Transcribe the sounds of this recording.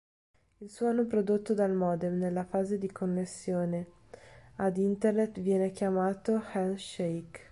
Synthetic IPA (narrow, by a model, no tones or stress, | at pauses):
ilsuoanopɾod̪ot̪ːod̪almɔːd̪ɛmnelːafaːzed̪ikonːesːjoːne | ad̪int̪ernet̪vjɛːnekjamaːt̪oxɛlʃejk